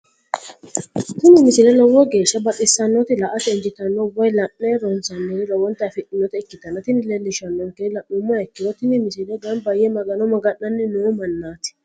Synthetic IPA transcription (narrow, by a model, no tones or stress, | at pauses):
t̪ʊmɪmɪsɪlɛlɔwɔɡe̞ːʃːɐbɐtɪsːɐnːɔt̪ɪlɐʔɐt̪ɛɪnd͡ʒɪt̪ɐnːɔwɐjlɐʔːɛɾɔnsɐnːɪɪlɔwɔnt̪ɐfɪᶑɪnːɔt̪ɛɛkːɪt̪ɐnːɔt̪ɪnɪlɛlːɪʃɐnːɔŋkɛɪlɐʔʊmːɐɛkːɪd̪ɔt̪ɪnɪmɪsɪlɛɡɐnbɐjːɛmɐɡɐnɔmɐɡɐʔːɐnːɪnoːmɐnːaːt̪ɪ̥